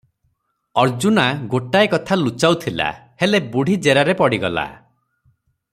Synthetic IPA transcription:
ɔɾd͡ʒunaɡoʈaekɔt̪ʰalut͡ʃawt̪ʰila̰helebuɽ̤ʱid͡ʒeɾaɾepɔɽiɡɔla̰

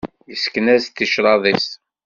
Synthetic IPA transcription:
jəskənæst̪ːiʃɾˤɑðˤis

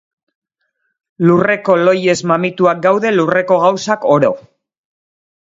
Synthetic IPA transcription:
lure̞ko̞lo̞je̞zmamit̪uak̚ɡawðe̞lure̞ko̞ɣ̞awsako̞ɾo̞̰

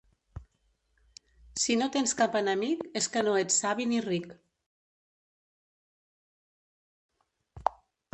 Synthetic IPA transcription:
sinot̪enskapənəmikeskənoet͡sːaβinirik

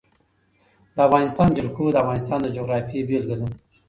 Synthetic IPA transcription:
d̪əavɣɑnɪst̪ɑnd͡ʒalkod̪əavɣɑnɪst̪ɑnd̪əd͡ʒoɣɾɑfibelɡənu

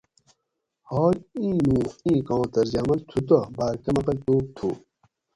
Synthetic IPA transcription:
hɔːlĩːnũːĩːkɑ̃ːt̪ɐɾd͡ʑaːmɐlt̪ʰut̪̬ɐbaːɾkɐmɐqɐlt̪uːp̚t̪ʰṵː

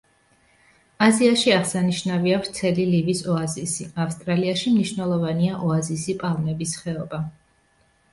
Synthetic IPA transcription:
aziaʃiaʁsaniʃnaviavɾt̪sʰɛlilivisɔazisiafst̪ʼɾaliaʃimniʃvnɛlˠɔvaniaʔɔazisipʼalˠnɛbisχɛɔba

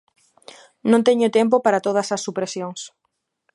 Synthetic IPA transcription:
nõnt̪eɲʊt̪emp̬opaɾat̪oð̞ɐsɐsːupɾesjoŋs

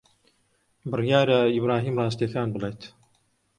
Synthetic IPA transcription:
bɨrjaːɾɐibɾaːɦiːmrɑːs̬t̪ijɐkaːnbɨlejt̪

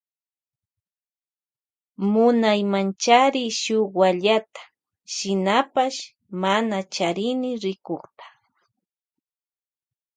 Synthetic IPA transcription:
mʊnajmant͡ʃaɾɪʃoχwaʎat̪ḁ | ʃɪnapaʃ | manat͡ʃaɾɪnɪɾɪkoχt̪ḁ

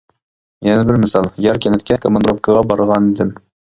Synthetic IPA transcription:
jɛnɛbɪɾmɪsɑlˠjɑɾkʲɛnɛt̪̚kʲʰɛkʰomɑnd̪ɾofkʰəʁɑbɑɾʁɑnɪd̪ɪm

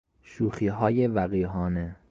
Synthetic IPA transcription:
ʃuːxiːɦɒːjevæɣiːɦɒːne

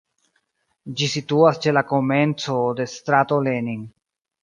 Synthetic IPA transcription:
d͡ʒisituast͡ʃe̞lako̞me̞nt͡so̞de̞st̪ɾato̞leniŋ

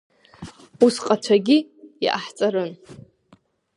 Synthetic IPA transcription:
usqʼat͡ʃʷʰaɡʲij̰ʔaħt͡sʼaɾɨn

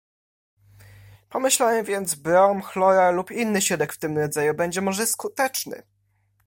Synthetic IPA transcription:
pɔmɘɕlawɛvʲjɛnd̪zbɾɔmxlɔɾalupinːɘɕɛd̪ɛkft̪ɘmɾɔd̪zajubɛɲd͡ʑɛmɔʐɛskut̪ɛt͡ʂnɘ̰

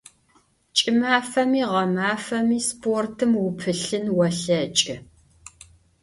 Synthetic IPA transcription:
t͡ʃʼɪmaːfɐmiːʁɐmaːfɐmiːspʰortʰɨmwʊpʰɨɬɨnwɐɬɐt͡ʃʼɪ

